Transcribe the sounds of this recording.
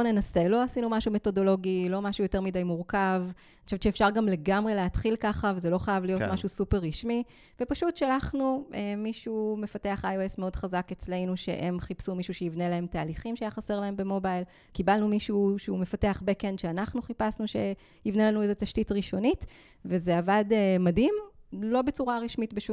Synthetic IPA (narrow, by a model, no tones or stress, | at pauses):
ne̞nase̞lo̞asinumaʃume̞to̞do̞lo̞ɡilo̞maʃujote̞ʁmidajmuʁkav | nʃavʃeːfʃaʁɡamle̞ɡamʁe̞leatχilkaχavezelo̞χajavlijo̞ttmaʃusupe̞ʁːiʃmi | vepaʃutʃalaχnuʔemːiʃume̞fate̞aχajoesmeo̞dχazake̞t͡sle̞jnuʃḛʔemχipsumiʃuʃeivnelae̞mtaːliχimʃeajaχaseʁlae̞mbe̞mobajl | kibalnumiʃuʃeume̞fate̞aχbekenʃeanaχnuχipasnuʃe̞̰ | ivne̞lanuezetaʃtitʁiʃo̞nit | vezeavademadimlo̞bet͡suʁaʁiʃmitbeʃu